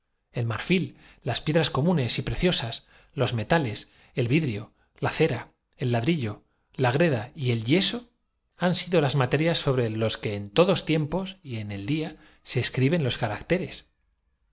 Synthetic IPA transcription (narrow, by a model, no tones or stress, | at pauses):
e̞lmaɾfilː | aspje̞ðɾasko̞mũne̞sipɾe̞θjo̞sas | lo̞zme̞t̪ale̞s | e̞lβiðɾio̞ | laθe̞ɾa | e̞lːaðɾiʎo̞ | laɣ̞ɾe̞ð̞aie̞lʎe̞so̞ | ansiðo̞lazmat̪e̞ɾjasːo̞βɾe̞lo̞ske̞ːnt̪o̞ðo̞st̪je̞mpo̞sie̞ne̞ld̪ia | se̞ːskɾiβ̞ẽ̞nlo̞skaɾakt̪e̞ɾe̞s